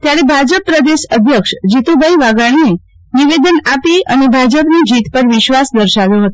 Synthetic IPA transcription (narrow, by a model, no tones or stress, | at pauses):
t̪jaɾebʱad͡ʒəpːɾəd̪eʃəd̪ʱjəkʃd͡ʒit̪ubʱaiʋaɡaɽ̃ie | niʋed̪ənapiənebʱad͡ʒəpnid͡ʒit̪pəɾʋɪʃʋasd̪əɾʃaʋjoɦət̪o̥